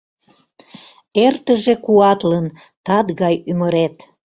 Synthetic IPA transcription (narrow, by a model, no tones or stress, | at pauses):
ert̪əʒekuɑt̪lən | t̪ɑd̪ɣɑjyməɾet̪